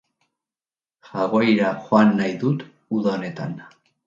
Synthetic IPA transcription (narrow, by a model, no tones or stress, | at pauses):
xaɣojɾaxoanːajðut̪ | uðaone̞t̪a̰n